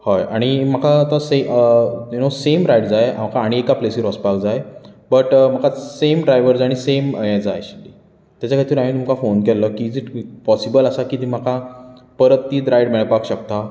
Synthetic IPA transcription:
hɔjaɽ̃im̤əkat̪ɔ̃se | junosemɾajɽd͡zaja̰mkaːɽ̃iekaplesiɾɔspakd͡zajbəʈm̤əkasemɖɾajʋəɾd͡zaɽ̃isemjãd͡za̰jɕid̪i | t̪jat͡ɕakʰaɽit̪ʰiɾamĩt̪umkafonkɛlːəkid͡ziʈpɔsibələsakiːt̪im̤əkʰa | pəɾəp̚t̪iːd̪ɾajɽmɛɭpakɕək̚t̪a

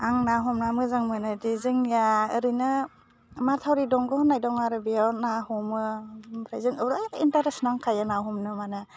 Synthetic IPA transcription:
aŋnaɦɔmnamɯzaŋmɯnɯdizɯŋjaɯɾɯnɯ | matʰawɾidɔŋɡɔhɔnajdɔŋaɾɯbijawnaɦɔmɯpʰɾajzɯŋɯɾtintaɾesnaŋkʰajanaɦɔmnɯmanɯ

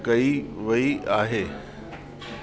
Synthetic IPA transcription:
kɐiʋɐiʔaːɦeː

